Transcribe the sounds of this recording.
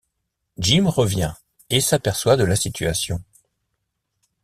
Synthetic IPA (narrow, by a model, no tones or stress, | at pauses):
ʒimʁəvjɛ̃ | esapɛʁswad̪əlasit̪ʰyasjɔ̃